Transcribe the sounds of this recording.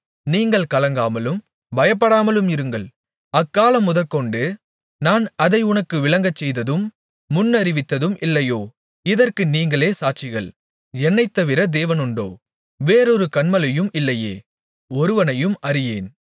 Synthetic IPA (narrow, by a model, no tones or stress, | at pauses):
niːŋɡɐɭkɐlɐŋɡaːmɐlɯm | bɐjɐp̬ːɐɽaːmɐlɯmɪɾɯŋɡɐɭ | ɐkːaːlɐmːʊðɐlkɔɳɖɯ | naːnɐðɐɪʊɳɐkːɯʋɪlɐŋɡɐt͡ʃːɛjðɐðɯmː | ʊnːɐɾɪʋɪt̪ːɐðɯmʔɪlːɐjoː | ɪðɐrkɯniːŋɡɐɭeːsaːʈ̚t͡ʃɪɣɐɭ | ɛnːɐɪt̪ːɐʋɪɾɐd̪eːʋɐnɯɳɖo̰ː | ʋeːɾɔɾɯkɐɳmɐlɐjɯmɪlːɐjḛː | ɔɾɯʋɐnɐjɯmɐɾɪjeːn